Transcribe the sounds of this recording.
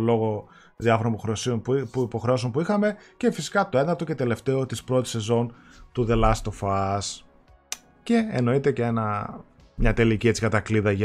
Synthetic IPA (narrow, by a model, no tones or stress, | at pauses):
lo̞ɣo | ðiɐfo̞ɾonipoxɾeosionuipo̞xɾeos̬o̞npuixɐme̞cefisi̥kɐt̪o̞e̞nɐɾt̪o̞cet̪e̞le̞ft̪e̞o̞t̪ispɾo̞t̪i̥se̞zo̞n | t̪uðe̞lɐst̪o̞fɐs | ce̞ḛno̞it̪e̞ceenɐ | mɲɐt̪e̞licie̞t͡sikɐt̪ɐkliðɐʝɐ